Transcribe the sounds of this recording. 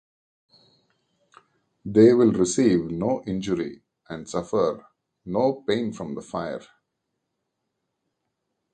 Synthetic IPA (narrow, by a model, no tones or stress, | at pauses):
d̪eːʋɪlɾɪsiːʋnoːʔɪ̃nd͡ʒəɾḭ | ʔæ̃ɳɖsʌfəɾ | noːpẽːnfɾɔ̃md̪əfaɪə̰ɾ